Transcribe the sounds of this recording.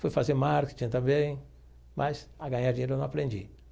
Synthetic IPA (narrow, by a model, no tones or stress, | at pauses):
fojfazemaɾkɪ̥t͡ʃĩɐ̃t̪ɐ̃mbẽj̃ | mʔasaɡɐ̃ɲaɾd͡ʒĩɲeɾʊonɐ̃apɾẽnd͡ʒḭ